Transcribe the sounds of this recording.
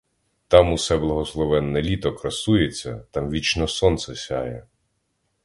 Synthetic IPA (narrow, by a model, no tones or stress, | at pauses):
t̪ɑmusɛblˠɐɦɔslˠɔʋɛnːelʲit̪ɔkɾɐsujet͡sʲːɐ̰t̪ɑmʋʲit͡ʃnɔsɔnt̪sɛsʲɑjɛ